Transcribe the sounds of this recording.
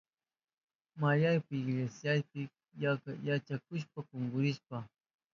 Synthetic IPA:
majajpɪɪɡlesjajpɪ | jakjat͡ʃakʊʃ̬pakʊŋɡʊɾɪʃpa

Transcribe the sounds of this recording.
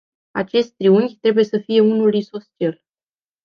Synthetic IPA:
a̰t͡ʃe̞st̪̚ʲt̪ɾiuŋɡʲt̪ɾe̞buje̞səfije̞unuliso̞st͡ʃ̪el

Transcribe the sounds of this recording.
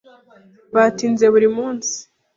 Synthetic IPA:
βatiːnze̞βuɾimuːnsi̥

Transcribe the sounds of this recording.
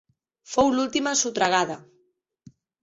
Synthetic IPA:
fowlult̪imasut̪ɾaɣaðɐ

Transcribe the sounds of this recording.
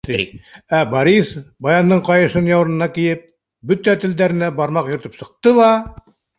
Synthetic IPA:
æbɑɾisbɑjɑnːɤɴqɑjɤ̆ʃɤnjɑwɾɤ̆nɤ̆nɑkijɘp̚ | bɵt̪æt̪ɘ̆ld̪æɾɘ̆næbɑɾmɑqjŏɾt̪ɤ̥psɤ̆q̚t̪ɤlˠɑ

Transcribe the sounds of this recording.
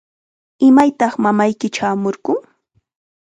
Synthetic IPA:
ɪmajt̪ɑχmamajkɪt͡ʃaːmoɾɢʊŋ

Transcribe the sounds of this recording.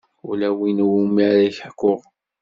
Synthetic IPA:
ulæwinwumiʕɾæçkːʊʁ

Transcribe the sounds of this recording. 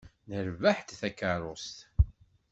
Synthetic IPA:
nəɾvaħt̪θækːəɾˤost̪

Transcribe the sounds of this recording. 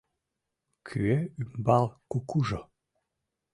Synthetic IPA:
kʰyeymbalˠkukuʒo

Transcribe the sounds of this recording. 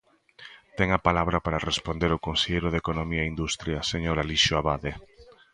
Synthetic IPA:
t̪ɛŋapalaβɾapaɾarespond̪eɾokonseʎejɾoðekonomiaind̪ust̪ɾjaseɲoɾaliʃoaβaðe

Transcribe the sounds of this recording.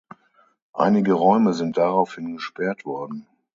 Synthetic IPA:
ʔa̰ɪnɪɡəʁɔʏməzɪnt̚d̥aʁaʊfhɪnɡəʃpɛɐtv̥ɔɐdn̩

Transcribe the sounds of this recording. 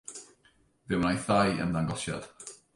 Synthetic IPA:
vɪwnajθajə̰nðaŋɡɔʃja̰d̥

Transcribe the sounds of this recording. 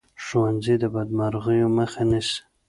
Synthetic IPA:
ʃowanzid̪əbad̪maɾɣəjoməxanɪʃ

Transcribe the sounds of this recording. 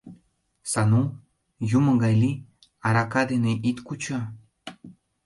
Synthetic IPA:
sanu | jumɤ̆ɡajli | aɾakad̪eneʔit̪kut͡ɕa

